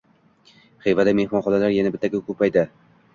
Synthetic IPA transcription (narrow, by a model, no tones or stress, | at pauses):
χejvad̪amehmɒnχɒnalaɾjanabɪt̪ːaɡʲɪkʰɵpajd̪ɪ